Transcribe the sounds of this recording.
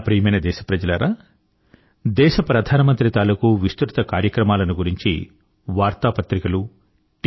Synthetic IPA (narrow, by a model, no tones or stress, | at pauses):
pɾiːɐmɐːnɐd̪ɛːʃɐ̥pɾɐd͡ʒɐlɐɾaː | d̪ɛːʃɐpɾɐd̪ʱaːnɐmɐnt̪ɾit̪aːlɐkuʋist̪ɾut̪ɐkaːɾjɐkɾɐmaːlɐnuɡuɾiɲt͡ʃḭ | ʋaːɾt̪aːpɐt̪ɾikɐlu | ʈ